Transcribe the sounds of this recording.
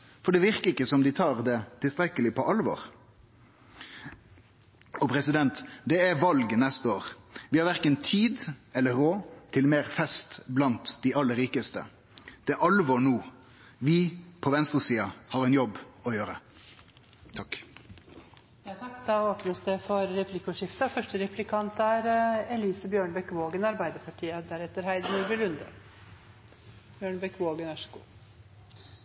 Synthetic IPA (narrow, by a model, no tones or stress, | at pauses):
fɔɖɛʋɪʁkəɪkːəsɔmd̪ɪt̪ʰɑːʁd̪ɛt̪ʰɪlst̪ɾɛkəlɪpʰɔʔɑlʋɔ̰ːɾ | ɔpʰɾɛsɪd̪ɛnt̪d̪ɛæʋɑlɡnɛst̪əoːʁʋɪhɑɾʋæʁkənt̪ʰiːd̪ɛlːəɾoːt̪ʰɪlmeːʁfɛst̪blɑnt̪d̪ɪɑlːəɾiːkəst̪ə̰ | d̪̥ɛʔɑlʋɔɳuː | ʋɪpʰɔʋɛnst̪ʁəsiːɑhɑːʁɛnjɔbɔjøːɾə | t̪ʰɑk | jɑːt̪ʰɑkːd̪ɑːoːpnəsd̪ɛfɔɾːɛplɪkʊʂɪft̪ɑfœʂʈəɾɛplɪkʰɑnt̪æɾɛliːsəbjøːɳəbɛkʋoːɡənɑɾbæɪd̪əpʰɑʈʰiːəd̪æɾɛt̪ːəɾhæɪd̪ənuːɾbɪlʉnd̪ə̰ | b̥jøːɳbɛkʋoːɡənʋæʂəɡṵː